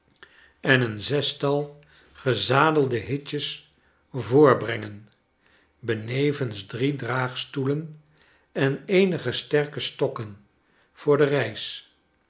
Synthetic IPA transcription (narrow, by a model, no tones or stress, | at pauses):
ɛnənzɛstɑlˠ | χəzaːdəlˠdəɦɪcəs | vʊːɹbrɛŋən | bənejvənsdridraːχstulən | ɛnejnəχəstɛɹkəstɔkən | v̥ʊːɹdərɛjs